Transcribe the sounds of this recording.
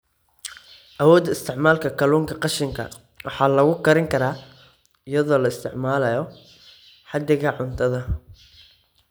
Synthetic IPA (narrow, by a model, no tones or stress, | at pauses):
ʔɐwɔːd̪ɐɪst̪ʰɪʕmaːlkʰɐkʰɐluːŋkʰɐqɑʃɪŋkʰɐ̰ | wɑħɑːlɐɣʊkʰɐɾɪŋkʰɐɾaː | ɪjɐðɔːlɐɪst̪ʰɪʕmaːlɐjɔ | ħɑd̪ɪɣɐʕʊnt̪ʰɐðɐ